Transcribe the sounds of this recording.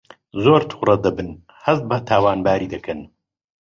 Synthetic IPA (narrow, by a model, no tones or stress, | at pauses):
zoːɾt̪ʰu̥xrɐd̪ɐbɨn | hɐst̪̚bt̪ʰaːwaːnbaːɾiːd̪ɐkʰɨn